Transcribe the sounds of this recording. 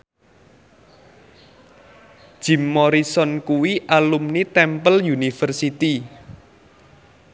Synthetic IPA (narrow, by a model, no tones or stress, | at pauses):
d̥ʒ̥i̤mːɔɾisɔnkuwiʔalumnit̪ɛmpəljunifərsit̪i